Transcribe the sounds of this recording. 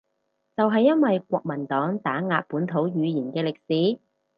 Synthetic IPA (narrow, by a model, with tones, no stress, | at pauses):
t͡sɐ˨wɦɐ˨jːɐ˥nwɐ˨jkʷɔː˧k̚mɐ˨˩nt̪ɔː˨˥ŋt̪aː˨˥ŋaː˧t̚puː˨˥nt̪ʰo˨˥wjyː˨˧jiː˨˩nkɛː˧lɪ˨k̚siː˨˥